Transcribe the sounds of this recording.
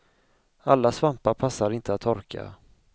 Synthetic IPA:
alːasvampaɾpʰasːaɾɪnt̪ʰəat̪ʰːɔɾkʰa̰

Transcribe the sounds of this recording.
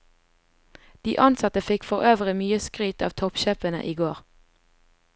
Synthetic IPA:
d̪̥iːʔɑnsɑt̪əfɪkfɔʁøːʋəʁɪmyːəskʁyːt̪ɑ̰ːʋt̪ʰɔpʃeːpənə̰ʔiːɡoːʁ

